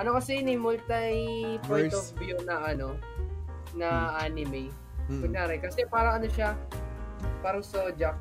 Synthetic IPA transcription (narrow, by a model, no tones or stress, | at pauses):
ʔɐnokɐsɛnɐjmʊlt̪ɐjpɛofbjunɐʔɐno̞ | nɐʔanɪmɛj | mɐŋjaːɾɛkɐsɛpaːɾɐŋʔɐno̞ʃa | paːɾɐŋsod͡ʒɐk̚